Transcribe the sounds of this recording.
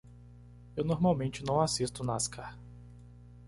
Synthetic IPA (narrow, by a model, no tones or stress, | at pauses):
ewnoɾmawmẽnt͡ʃɪnɐ̃w̃asist̪ʊnaskʰaɾ